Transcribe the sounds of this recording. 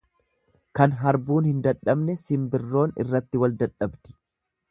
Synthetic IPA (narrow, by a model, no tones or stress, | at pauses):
kɐnɦɐɾbuːnhɪnd̪ɐᶑːɐbnɛsɪmbɪrːo̞ːnɪ̰rːɐt̪ːɪwɐld̪ɐᶑɐbt̪ɪ̥